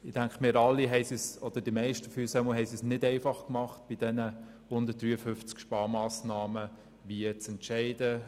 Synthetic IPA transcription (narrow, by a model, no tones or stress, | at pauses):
ɪdæŋkmɪːɾɑlːiɦɛɪsisɔd̥əd̥imɛɪʃtəfyːsɛməɦɛɪsisnɪdɛɪfɑχkmɑχt̚b̥id̥ɛnə | hʊnd̪ət̚d̥ɾyːəfʏft͡skʃpɑːmaːsnɑːmə | ʋiət͡sɛntʃɛɪdə